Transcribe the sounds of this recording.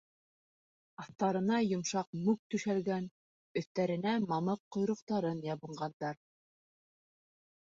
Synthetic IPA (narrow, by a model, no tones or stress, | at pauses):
ɑθt̪ːɑɾɤ̆nɑjŏmʃɑq̚mʉk̚t̪ʉʃælɡæn | ɵ̆θt̪æɾɘ̆næmɑlˠɤqːŏjɾŏqt̪ɑɾɤnjɑβɤ̆ɴɢɑnd̪ɑɾ